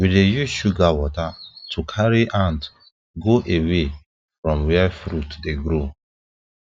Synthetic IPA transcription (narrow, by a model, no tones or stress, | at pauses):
widejuʃuɡawɔtatʰukʰaɹiʔãnd | ɡoʔewe | fɹɔ̃mwɛafɾutdeɡɾo